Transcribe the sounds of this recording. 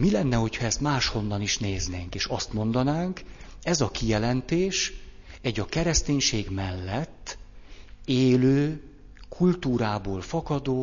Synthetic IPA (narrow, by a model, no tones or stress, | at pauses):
milɛnːɛho̞cʰhɒɛst̪maːʃho̞nːɒniʃneːzneːŋkeːʃɒst̪mo̞n̪d̪ɒnaːŋkɛzɒkijɛlɛnt̪eːʃ | ɛɟɒkɛɾɛst̪eːɲʃeːɡmɛlːɛt̪ː | eːløː | kʰult̪uːɾaːboːlfɒkɒd̪oː